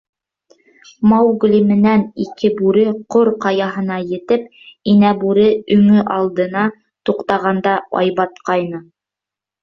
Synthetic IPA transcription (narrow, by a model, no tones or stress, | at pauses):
mɑwɡ̆lʲimɘ̆nænikɘbʉɾɘqoɾqɑjɑɦɤ̆nɑjɘ̆t̪ɘp̚ | inæbʉɾɘɵ̆ŋɘʔɑlˠd̪ɤ̆nɑ | t̪uqt̪ɑʁɑnd̪ɑɑ̰jβɑt̪qɑjnɤ